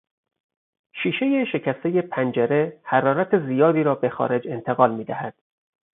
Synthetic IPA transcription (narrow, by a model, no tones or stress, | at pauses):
ʃiːʃe̞je̞ʃe̞cʰæst̪e̞je̞pʰænd͡ʒeɾe̞hæɾɒːɾæt̪ʰezijɒːd̪iːɾɒːbe̞xɒ̰ːɾe̞d͡ʒe̞nt̪ʰeɣɒːlmiːd̪æhæd̪̥